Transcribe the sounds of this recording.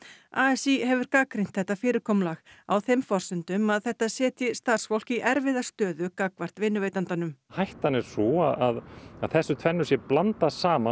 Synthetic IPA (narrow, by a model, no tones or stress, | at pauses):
aːɛsiɦɛvʏɾkaːkɾɪn̥t̪θɛht̪ːafɪːɾɪɾkʰɔːmlaxawθejmfɔr̥sɪnt̪ʏmaðθɛht̪ːasɛːt̪jɪst̪ar̥sfɔwl̥ciʔɛɾvɪðḁst̪œːðʏkakvar̥t̪vɪnːʏveːjt̪ant̪anʏmhajht̪hanːɛɾ̥sɔaaðaðθɛsːʏt̪ʰvɛnːʏsjɛplant̪asaːma